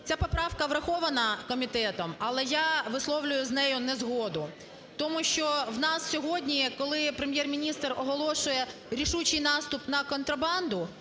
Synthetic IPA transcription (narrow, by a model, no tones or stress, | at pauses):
t͡sʲapɔpɾɑwkɐʋɾɐxɔʋɐnɐkɔmʲit̪ɛt̪ɔmɐlˠɛjaʋɪslˠɔwlʲʊjʊznɛjʊnɛzɦɔd̪ʊ | t̪ɔmuʃt͡ʃɔwnɑssʲɔɦɔdʲnʲikɔlˠɪpɾemʲjɛrmʲinʲist̪rɔɦɔlˠɔʃʊjɛɾʲiʃut͡ʃɪjnɑst̪ʊpnɐkɔnt̪ɾɐbɑnd̪ʊ